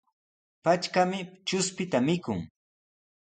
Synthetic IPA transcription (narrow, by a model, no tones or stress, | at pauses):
pat͡ʃkamɪt͡ʃʊspɪt̪amɪkʊŋ